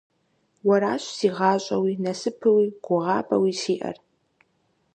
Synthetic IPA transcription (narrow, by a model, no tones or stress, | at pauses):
wɐɾaːɕsiːʁɑːɕʼɐwiːnɐsɨpʰɨwiːɡ̥ʷʊʁɑːpʼɐ̰wiːsiːʔɐ̰r